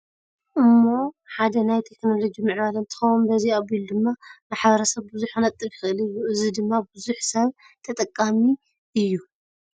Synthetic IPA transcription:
ʔɨmːo̞ħad̪ɐnajt̪ʰe̞kno̞lo̞d͡ʒimɨʕβalɐnt̪ʰɨ̥xɐwunbɐziabild̪ɨmːamaħβɐɾɐsɐβbɨzuħkɨnɐt̪ʼɨlkxɨʔɨlɨjːuʔɨzid̪ɨmːabɨzuħsɐβ | t̪ʰɐt̪ʼɐkʼːami | ʔɨjːu

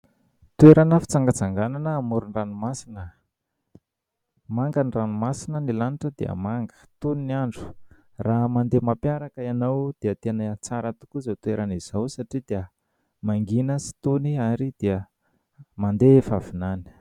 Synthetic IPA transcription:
t̪ueɾanəfi̥t͡saŋɡat͡saŋɡananəːmuɾuniranumasinə | maŋɡaniranumasinənilaniʈ͡ʂəd̪iə̰maŋɡə̥t̪uniniaɳɖ͡ʐu̥ | raɦmand̪emapjaɾakəianawd̪̥iət̪enət͡saɾət̪u̥kuzat̪ueɾaniz̥awsaʈ͡ʂid̪iə | maŋɡinəsi̥t̪uniaɾid̪̥iə | mand̪efavinani̥

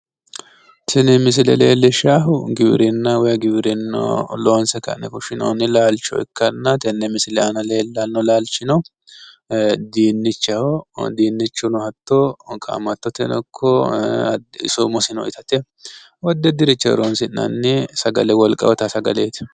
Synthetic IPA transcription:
t̪ɛnɛmɪs̬ɪlɛ̰lḛːlːɛʃaɦʊɡɪbɪɾɪnːɐwɔjɐɡɪbɾɪnːɔ̰loːnsɛkɐ̰nɛkʊʃɪno̰nːɪlaːlt͡ʃːɔ̰ɪ̰kːɐnːɐt̪ɛnːɛmɪsɪlɛɐnɐleːlːɐnːɔlaːlt͡ʃɪnɔ | d̪iːnːɪt͡ʃːɐɔd̪iːnːɪt͡ʃːʊnʊhɐt̪ːɔkʼa̰mɐt̪ːɔt̪ɛnɔkʰːɔ | ɪ̰sɔmɔsɪnɔ̰ɪt̪ɐt̪ɛ | wɔd̪ːɛd̪ɪɾɪt͡ʃːɛ̰ɾonsɪnːɐ̰nːɪsɐɡɐ̰lɛwɔlkʼɐ̰wɔt̪ɐsɐɡɐ̰leːt̪ɪ̥

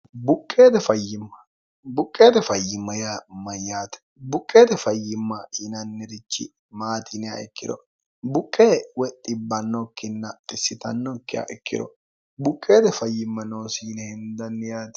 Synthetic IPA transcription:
bʊkʼːe̞ːd̪ɛfɐjːɪmːɐ | bʊkʼːe̞ːd̪ɛfɐjːɪmːɐjaːmɐjaːt̪ɛ̥ | bʊkʼːe̞ːd̪ɛfɐjːɪmːɐhɪnɐnːɪɾɪt͡ʃːɪ̰ | maːt̪ʰɪnɪja̰ɛkːɪd̪ɔ̰ | bʊkʼːeːwɛt̪ʼːɪbːɐnːɔkːɪnːɐtʼɪsːɪt̪ɐnːɔkːɪja̰ʔɛkːɪ̰d̪ɔ̰ | bʊkʼːeːd̪ɛfɐjːɪmːɐno̞ːsiːnɛhɪnd̪ɐnːɪjaːt̪

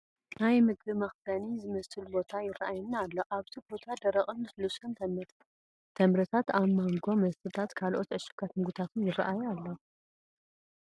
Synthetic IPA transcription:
najmɨɡbɨmɐxd̪anizɨmɐsɨlbot̪ʰajɪrɐʔajɛnːaalːoʔaβt̪ʰibo̞t̪ʰad̪ɐɾɐχʼɨnɨslusɨnt̪ʰɐmːɨɾ | t̪ʰɐmɾɐt̪ʰat̪aβmaŋɡo̞mɐsɨt̪ʰat̪kʰalʔo̞t̪ʔɨʃɨkʰat̪mɨɡut̪ʰat̪ʰunjɪrɐ̰ʔajalːo

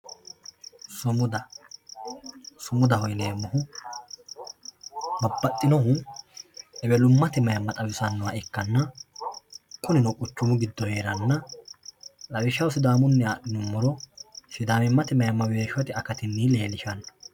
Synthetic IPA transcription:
sʊmʊd̪ɐ | sʊmʊd̪ɐhɔjneːmːʊhʊ | mɐbːɐt̪ʼːɪnɔhʊ | ɛbɛlʊmːɐt̪ɪmɐjɐmːɐt̪ʼɐwɪsɐnːɔwaʔɛkːɐnːɐ | kʼʊnɪnɔkʼʊt͡ʃːʊmʊɡɪd̪ːɔhe̞ːɾɐnːɐ | lɐwɪʃːɐwsɪd̪aːmʊnːɛaːɗɪnʊmːɔɾɔsɪd̪aːmɪmːɐt̪ɪmɐjɐmːɐwe̞ːʃɔt̪ɪɐkɐt̪ɪnːiːle̞ːlɪʃɐnːɐ

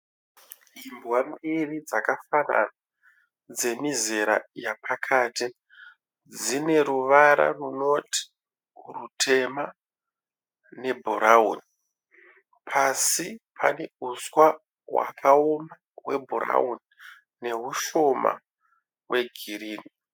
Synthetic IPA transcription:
imbwambirid͡zakafana̰na | d͡ze̞mizeɾa̰japʰakʰaːti | d͡zine̞ɾuʋaɾa̰runo̞ti̥ | rutʰe̞ma | ne̞bʱuɾaṵni | pʰasipʰane̞uswa | wa̰kʰaoma | we̞̰bʱura̰uni | ne̞ɦuʃo̞ma̰ | wʔe̞ɡʱiɾiːni

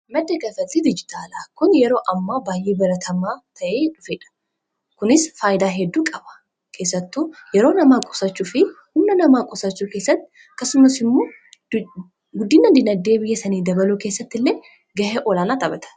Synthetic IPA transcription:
mɐd̪ːɐɡɐfɐt̪ʼːid̪ɪd͡ʒɪt̪ʰaːlaːkʊnjɛɾo̞ːʔɐmːaːbaːjʔeːbɐɾɐt̪ʰɐmaːt̪ʰɐʔe̞ːᶑʊfeːᶑɐ̥ | kʊnɪsfaːjɪd̪aːɦɛd̪ːuːkʼɐbɐ̥ | kʰe̞ːsːɐt̪ːuːjɛɾo̞ːnɐmaːkʼɔ̥sɐt͡ʃːuːfɪ | hʊmnɐnɐmaːkʼɔsɐt͡ʃːuːke̞ːsːɐt̪ːɪ̥ | kːɐsʊmɐsɪmːo̞ː | ɡʊd̪ːiːnɐd̪ɪnɐd̪ːe̞ːbɪjːɛsɐniːd̪ɐbɐluke̞ːsːɐt̪ːɪlːe̞ː | ɡɐheʔoɔlaːnaːt̪ɐbɐt̪ʰɐ̥

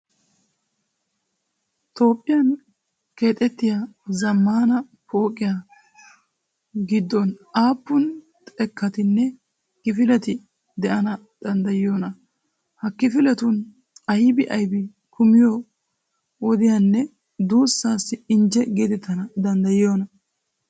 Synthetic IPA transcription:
t̪o̞ːpʼːɪjɐn | ke̞ːt̪ʼɛt̪ːɪjazɐmːaːnɐ | po̞ːkʼːɪja | ɡɪd̪ːɔnaːpːʊn | t̪ʼɛkːɐt̪ɪnːɛ | kɪfɪlɛt̪ɪ | d̪ɛʔɐnɐ | d̪̥ɐnd̪ɐjɪjo̞ːnɐ | hɐkːɪfɪlɛt̪ʊn | ɐjbɪʔɐjbɪ | kʊmɪjo | wɔd̪ɪjɐnːɛ | d̪uːsːaːsːɪɪnd͡ʒɛɡiːd̪ɪt̪ːɐnɐd̪ɐnd̪ɐjɪjo̞ːnɐ

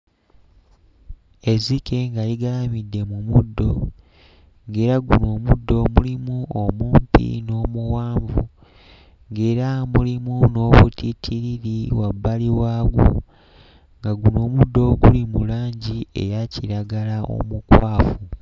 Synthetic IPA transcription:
e̞zike̞ŋɡaliɡaamidːe̞mumudːo̞ | ŋɡe̞ːɾaɡuno̞ːmudːo̞mulimuomuːmpḭno̞ːmuwaːɱvu | ŋɡe̞ːɾamulimuno̞ːβṵtitʰiɾiɾiwabːaliwaːɡṵ | ŋɡaɡuno̞ːmudːo̞ɡulimulaːɲɟie̞̰jaciɾaɡalao̞̰mukwaːfu

